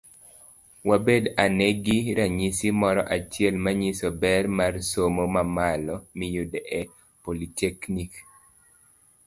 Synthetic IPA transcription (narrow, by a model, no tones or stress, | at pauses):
wabedanɛɡiɾaɲisimɔɾɔʔat͡ʃɪɛlmaɲisɔbɛrmarsomomamalɔmɪjudɛʔɛ | politeknik